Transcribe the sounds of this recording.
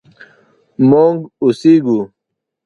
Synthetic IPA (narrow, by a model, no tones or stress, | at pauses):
moŋɡusiɡu